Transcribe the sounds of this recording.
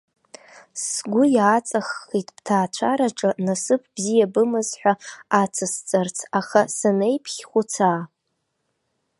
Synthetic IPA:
sɡʷʊjaːt͡sʼaχːitʼb̥tʰaːt͡ʃʷʰaɾaʈ͡ʂʼɨnasɨpʰbzijabɨmɨzħᶣʷaat͡sʰɨst͡sʼart͡sʰaχasanejpʰχʲχʷʊt͡sʰaː

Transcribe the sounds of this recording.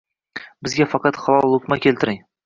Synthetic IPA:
bɪzɡʲafɑqɑt̪χɑlˠɒlˠlːˠukmakʲelt̪ɪɾɪŋ

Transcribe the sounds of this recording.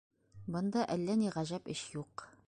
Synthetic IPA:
bɤ̆nd̪ɑʔælːæniʁæʑæpɘɕjuq

